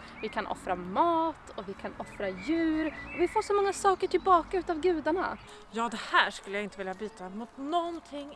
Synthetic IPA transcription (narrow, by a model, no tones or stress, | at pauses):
vɪkʰanʔɔ̰fɾamɑːt̪ʰɔvɪkʰanɔfɾajʉ̟ːɾɔvɪafoːʂɔmɔŋːasɑːkəʈʰɪlbɑːkaʉ̟ːt̪aːvɡʉ̟ːd̪aɳa̰ | jɑːd̪ɛhæːʂkɵlːəjaɪnt̪əvɪljabyːt̪amʊt̪nɔnt̪ʰɪŋː